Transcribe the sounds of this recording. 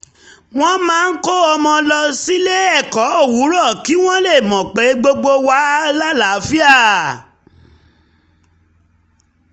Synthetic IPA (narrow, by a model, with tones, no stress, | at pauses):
w̃ɔ̃˦mãː˦˧n̩˦ko˦ɔ˧mɔ̃˧lɔ˧si˦le˦ɛ˦˨kɔ˨˦o˦˨wu˨˦ɾɔ˦˨ki˨˦w̃ɔ̃˦le˦˨mɔ̃˨k͡pe˨˦ɡ͡bo˧ɡ͡bo˧wa˨˦la˦la˨˦fi˦a˦˨